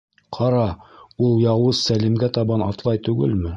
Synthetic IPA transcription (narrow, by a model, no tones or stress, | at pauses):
qʰɑɾɑulˠjɑwɤzsælimɡæt̪ɑβɑnɑt̪lˠɑjt̪ʉɡɘ̰lmɘ